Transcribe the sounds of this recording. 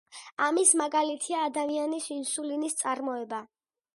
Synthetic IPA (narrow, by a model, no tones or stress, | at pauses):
amismaɡalit̪ʰiaːd̪amianisinsulinist̪sʼaɾmɔɛba